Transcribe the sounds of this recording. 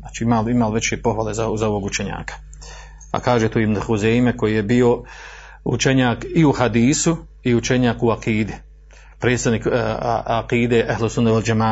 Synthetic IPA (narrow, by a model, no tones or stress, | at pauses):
aːt͡ʃiimaːlimaːlʋe̞t͡ɕe̞po̞xʋaːle̞zazao̞ʋo̞ɡut͡ʃeɲa̰ːkḁ | a̰kaːʒet̪oibnxuzejmeko̞jije̞bio̞ | ṵt͡ʃeɲaːkiuhad̪iːsu | iut͡ʃeɲaːkuaqiːd̪i | pɾe̞d̪st̪adniːkaqiːd̪e̞ːʔaɦlsund̪eʋald͡ʒamaː